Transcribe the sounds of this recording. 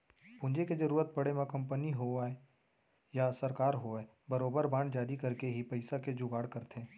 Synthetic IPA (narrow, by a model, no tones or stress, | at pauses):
pʊ̃nd͡ʒeked͡ʒɐɾuːɾət̪̚pɐɽemãkɐ̃mpəniɦoae | jasɐɾkaːɾɦoɛ | bɐɾoːbəɾbãːɳɖd͡ʒaːɾikɐɾkeɦipɐɪsaked͡ʒʊɡaːɽkɐɾt̪ʰẽː